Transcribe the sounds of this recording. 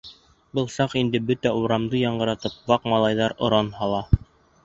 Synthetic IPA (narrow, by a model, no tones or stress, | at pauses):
bɤlˠsɑqind̪ɘbɵt̪æuɾɑmd̪ɤjɑɴɢɤ̆ɾɑt̪ɤp̚wɑqmɑlˠɑjðɑɾŏɾɑnhɑlˠɑ